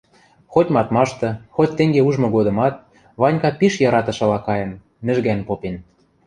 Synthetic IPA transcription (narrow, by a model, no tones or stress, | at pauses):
xotʲmɑt̪mɑʃt̪ɤ̆xot̪̚ʲt̪ĕŋɡeuʒmŏɣod̪ɤ̆mɑt̪̚ | βɑnʲkɑpiʃjɑɾɑt̪ɤ̆ʃɤ̆lɑkɑjɤ̆n | mɘ̆ʒɣænpopen